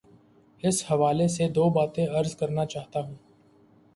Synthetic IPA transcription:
ɪshɐʋaːlesed̪oːbaːt̪ẽɐɾzkɐɾnat͡ʃaːɦt̪aɦũː

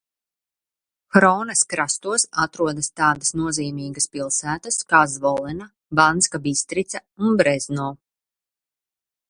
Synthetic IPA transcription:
xɾɔːnɐskɾast̪uɔsat̪ɾuɔd̪ɐst̪aːd̪ɐsnuɔziːmiːɡɐspilˠsæːt̪askaːzvɔlˠɛna | banskabist̪ɾit̪saunbɾɛznɔː

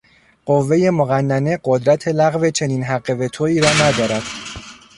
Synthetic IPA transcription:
ɢ̥ovːe̞je̞moɣænːæne̞ɢod̪ɾæt̪ʰe̞læɣve̞t͡ʃʰe̞niːnɦæɢːe̞ve̞t̪ʰoiːɾɒːnæd̪ɒːɾæd̪̥

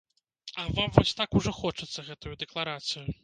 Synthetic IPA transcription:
ɐvamvɔsʲt̪akuʐɔxɔt͡ʂɨt̪sːɐɣɛt̪ujud̪ɛklˠaɾat̪sɨjʊ

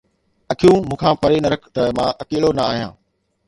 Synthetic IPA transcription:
ɐkʰijũːmũːkʰãːpɐɾenɐɾɐkʰt̪ɐmãːʔɐkeːlonɐaːɦijãː

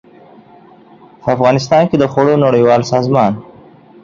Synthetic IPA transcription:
pʰəafɣɑːnɪst̪ɑːnked̪əxoɽonoɽawɑːlsɑːzmɑːn

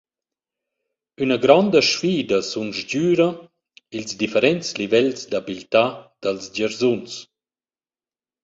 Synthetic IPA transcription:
ynəɡɾɔnd̪əʃfiːd̪əsunʒɟyːɾə | ilzd̪ifeɾɛnt͡slivɛlsd̪abilt̪ad̪̥alsd͡ʑaɾzuns

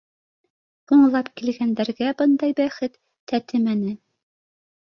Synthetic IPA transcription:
uɴlˠɑpkilɡænd̪æɾɡæbɤnd̪ɑjbæχɘt̪ːæt̪ɘmænɘ

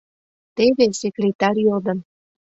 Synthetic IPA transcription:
t̪eβesekrʲet̪ɑrʲjold̪ə̆n

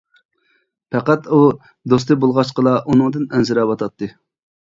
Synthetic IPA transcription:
pʰɛqæt̪u | d̪os̬t̪ɨbolˠʁɑʃqəlˠɑʔunɨŋd̪ɨnɛnsɪɾɑwɑt̪ʰɑt̪ʰːɨ

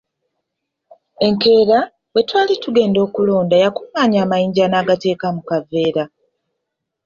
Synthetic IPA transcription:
e̞ŋke̞ːɾa | we̞twaːlituɡe̞ːndo̞ːkulo̞ːndajakumaːɲaːmajiːɲɟanaːɡate̞ːkamukave̞ːɾa

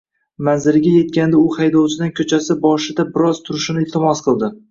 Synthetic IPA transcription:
manzɪɾɡʲaje̞t̪̚kʲand̪aʊhajd̪ɒwt͡ʃʰɪd̪aŋkʰɵt͡ʃʰasɪbɒʃɪd̪abɪɾɒz̥t̪ʰʊɾɪʃɪnɪɪlˠt̪ʰɪmɒsqʰɨlˠd̪ɪ

